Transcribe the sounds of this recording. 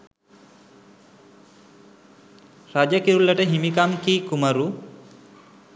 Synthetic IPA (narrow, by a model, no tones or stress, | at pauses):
ɾad͡ʒakiɾulːaʈeɦimikamkikumaɾu